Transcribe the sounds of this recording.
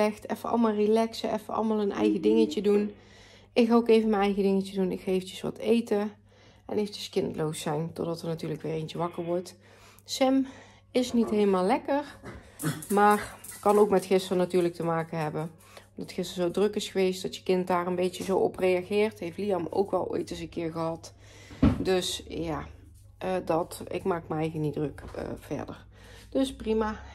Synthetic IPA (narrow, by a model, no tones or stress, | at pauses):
ɛxtʰɛfəɑ̰lˠmalˠrilɛksəɛ̰fəɑ̰lˠmaːlˠənɛ̰jɣədɪŋəcədun | ɪkxaːokejvənmənɛjɣədɪŋəcədunɪ̰kxaejfətə̥sʋɑ̰tejtə | ɛ̰nejfəcəskɪntlowsɛjntɔ̰dɑtəɹnatyːɹləkʋɪːɹejnt͡ʃəʋɑkəɹʋɔɹt | sɛm | ɪsnitɦejləmaːlˠɛkəɹ | maːrkɑnowkmɛtxɪstrənatyːɹlək̚təmaːkənɦɛbə | ɔmdɑtxɪstəzowdrɵkɪsxəʋejstdɑtjə̥kɪntdaːrənbejtəzowɔ̰prejɑɣɪːɹtɦejftlijɑmo̰wkʋɛ̰lˠo̰jtɪz̬ənkɪːɹɣəɦɑt | dɵsjaː | dɑtɪ̰kmaːkməɛjɣənidrɵkə̰v̥ɛ̰ɹdə̰ɹ | d̥øsprimaː